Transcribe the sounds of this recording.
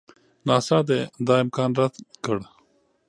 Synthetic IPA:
nɑːsɑːd̪ed̪ɑːɪmkɑːnɾat̪kəɽ

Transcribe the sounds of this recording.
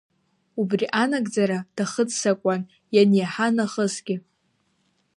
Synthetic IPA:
ubriʔanaɡʼd͡zaɾad̥aχət͡ssakʷʼan | janjaħanaχəsɡʲɪ

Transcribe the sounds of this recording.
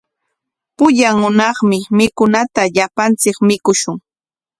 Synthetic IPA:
pʊʎaŋːʊnɑχmɪmɪkʊnat̪aʎapant͡sɪkmɪkʊʃʊŋ

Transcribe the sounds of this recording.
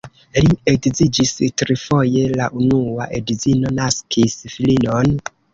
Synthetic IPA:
liekzid͡ʒistɾifo̞je̞laʔunuaʔḛdizino̞naskʰisfilino̞n

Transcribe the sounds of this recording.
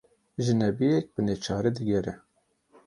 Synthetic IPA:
ʒɨnɛbijɛk̚bɨneːt͡ʃʰɑːɾed̪ɨɡʲɛɾɛ

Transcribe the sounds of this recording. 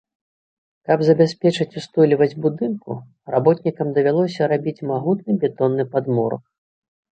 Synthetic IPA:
kɐbzɐbʲasʲpʲɛt͡ʂɨt͡sʲust̪ɔlʲivɐd͡zʲbud̪ɨnkṵ | rabɔt̪nʲikɐmd̪ɐvʲalˠɔsʲɐɾabʲit͡sʲmaɣut̪nɨbʲɛt̪ɔnːɨpad̪mɔɾɐ̰k

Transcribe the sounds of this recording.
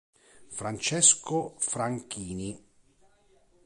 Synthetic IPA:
fɾant͡ʃɛskofɾaŋkiːni

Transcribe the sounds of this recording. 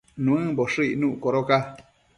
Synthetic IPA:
nũɨ̃boʂɨinũʔkoɾoka

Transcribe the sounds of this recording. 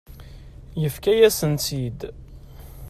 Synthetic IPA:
jəfkæjæsənt̪id̪

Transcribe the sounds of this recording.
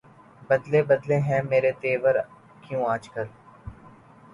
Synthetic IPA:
bɐd̪lebɐd̪leɦɛ̃meːɾet̪eːʋəɾ | kjũaːd͡ʒkəl

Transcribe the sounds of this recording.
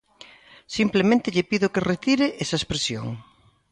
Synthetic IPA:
simplemẽnt̪ɪʎepiðokeret̪iɾeʔɛsɐespɾesjo̰ŋ

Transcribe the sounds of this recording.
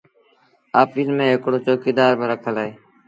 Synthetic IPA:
aːpiːnmẽːɦɪkɽoːt͡ʃoːkiːd̪aːɾbʱɪɾəkʰəlaːeː

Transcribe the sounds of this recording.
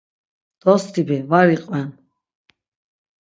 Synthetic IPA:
d̪̥ɔst̪ʰibivaɾiqʼwɛn

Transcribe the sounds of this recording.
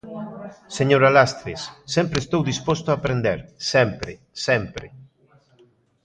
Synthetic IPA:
seɲoɾalast̪ɾesːɛmpɾest̪owðispost̪oapɾend̪eɾsɛmpɾe | sɛmpɾe

